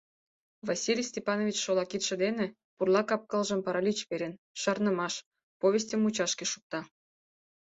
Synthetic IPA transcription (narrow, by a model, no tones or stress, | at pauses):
vɑsʲilʲijsʲtʲepɑnovʲit͡ɕʃolˠɑkit̪ʃə̆d̪enĕ | purlˠɑkɑp̚kɑlˠʒə̆mpɑɾɑlʲit͡ɕpeɾʲen | ʃɑrnə̆mɑʃ | povʲes̬ʲtʲəmut͡ɕɑʃkeʃuk̚t̪ɑ